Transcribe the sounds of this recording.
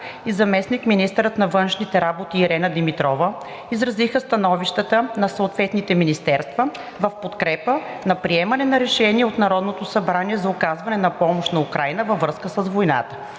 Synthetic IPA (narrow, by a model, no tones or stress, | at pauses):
izɐmɛsnikminist̪əɾət̪nɐvɤnʃnit̪ɛɾabot̪iːɾɛnəd̪imit̪ɾɔvə | izɾɐzixəst̪ɐnɔviʃt̪ət̪ənɐsəːt̪vɛt̪nit̪ɛminist̪ɛɾst̪və | vɐfpot̪kɾɛpənɐpɾiɛmɐnɛnɐɾɛʃɛniɛot̪nɐɾɔd̪not̪osɐbɾaniɛzɐʊkazvɐnɛnɐpɔmoʃt̪nɐukɾajnəvəvɾɤskəsəzvojna̰t̪ə̥